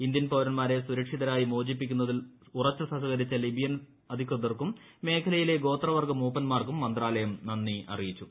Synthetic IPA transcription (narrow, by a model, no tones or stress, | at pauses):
ind̪jɐnpoːɾɐnmaːɾe̞suɾɐkʂiðɐɾaːjimoːd͡ʑip̬ːikʲːunːɐðil | urɐt͡ɕːusɐŋɦɐɣɐɾit͡ɕːɐlibijɐn | ɐd̪ʱikrɐd̪ɐrkumː | e̞ːkʰɐlɐjile̞ɡo̞ːt̪rɐʋɐrɡɐmoːpːɐnmaːrkumːɐnd̪raːlɐjɐmnɐnːiɐ̰rijit͡ɕːu